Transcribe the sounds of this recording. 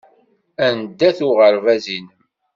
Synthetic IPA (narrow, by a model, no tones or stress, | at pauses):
ænd̪ːæθʊʁəɾvæzinəm